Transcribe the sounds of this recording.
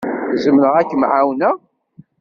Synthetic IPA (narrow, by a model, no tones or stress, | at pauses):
θzəmnəʁækːəmʕawnæ